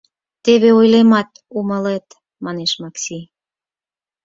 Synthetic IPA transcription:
t̪eβeojlemɑt̪ | uməlet̪ | mɑneʃmɑksi

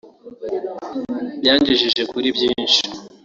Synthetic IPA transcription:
bjaːɲɟiʒiʒe̞kuɾibjiːnʃi̥

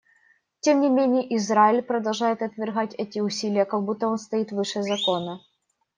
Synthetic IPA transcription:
tʲemnʲɪmʲenʲɪjəʔɪzɾaɪlʲpɾəd̪ɐlˠʐajɪt̪ɐt̪vʲɪrɣatʲɛtʲɪʊsʲilʲɪjəkɐɡ̚but̪ːəo̞nst̪ɐit̪vɨʂɛzɐkonə

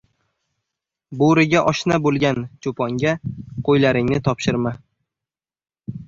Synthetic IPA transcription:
boɾɪɡʲaʔɒʃnabolˠɡʲant͡ʃʰopʰɒŋɡʲaqʰojlaɾɪŋnɪt̪ʰɒpʃɪɾma

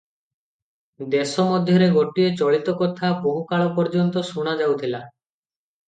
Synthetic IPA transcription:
d̪esɔmɔd̪ʱjɔɾeɡoʈiet͡ʃɔɭit̪ɔkɔt̪ʰaboɦukaɭɔpɔɾd͡ʒɔnt̪ɔsuɽ̃ad͡ʒawt̪ʰila

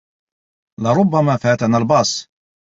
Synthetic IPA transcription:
lɪɾˤʊbːamafaːt̪analbɑːsˤ

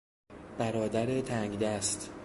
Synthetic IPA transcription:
b̥æɾɒːd̪æɾet̪ʰæŋɡd̪æst̪

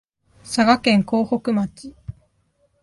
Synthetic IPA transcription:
saɡakẽ̞ŋko̞ːho̞kɯ̟mat͡ɕi

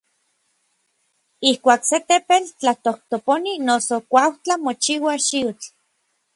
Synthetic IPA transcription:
ihkʷaːkset̪epelt͡ɬat̪oht̪oponinosokʷawt͡ɬamot͡ʃiwaʃiut͡ɬ

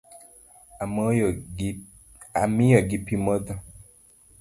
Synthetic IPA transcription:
amɔ | amijɔɡipimɔd̪ɔ

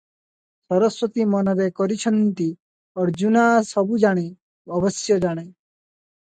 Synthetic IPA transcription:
sʌɾəswət̪imʌnʌɾekɔɾit͡ʃʰʌnt̪i | ɔɾd͡ʒunaːsʌbud͡ʒaɽ̃i | ɔbʌsjʌd͡ʒaɽ̃e

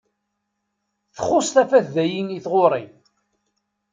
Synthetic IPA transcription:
θə̥χʊsˤθæfæθðæjiniθʁoɾˤi

